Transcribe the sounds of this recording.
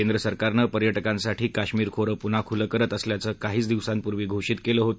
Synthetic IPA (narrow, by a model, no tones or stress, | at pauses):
end̪ɾəsəɾkaɾnəpəɾjəʈəkãnsaʈʰiːkaɕmiːɾkʰoɾəpun̤akʰuləkəɾət̪əsljat͡səːkaɦiːt͡sd̪iʋsanpuɾʋiːɡʱoʂiːt̪keləːɦot̪